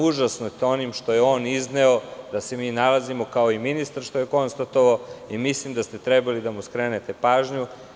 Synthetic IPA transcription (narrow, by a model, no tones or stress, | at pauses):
uʒasnot̪o̞nimʃt̪o̞jeo̞ːnizneod̪ase̞miːnalazimo̞kao̞iminist̪aɾʃt̪ojeko̞nst̪at̪o̞ʋaoimislimd̪ast̪e̞t̪ɾebalid̪amuskɾeːnet̪epaːʒɲu